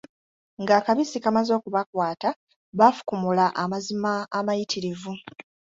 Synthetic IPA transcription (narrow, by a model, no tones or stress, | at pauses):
ŋɡaːkaβisikamazo̞ːkuβakwaːta | βafu̥kumulaʔamazimaːmajitʰiɾivu